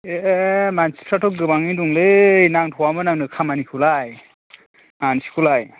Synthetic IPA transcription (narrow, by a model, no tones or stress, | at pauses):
emansi̥pʰɾatʰɔk̚ɡɯbaŋiduŋlejnaŋtʰɔwamɯnaŋnɯkʰamanikʰulaj | mansi̥kʰulaj